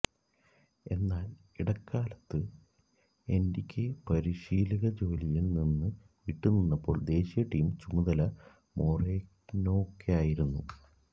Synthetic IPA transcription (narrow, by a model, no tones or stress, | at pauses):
e̞nːaːl | iɽɐkʰːaːlɐt̪ːɨ | e̞ndikʲʰːepɐɾiɕiːliɣɐd͡ʑo̞ːlijilninːɨ | ʋiʈːunːinːɐpːo̞̰ːɭd̪e̞ːɕijɐʈːiːmt͡ɕumuðɐlɐ | mo̞ːreːkno̞ːkʰːejaːjiɾunːu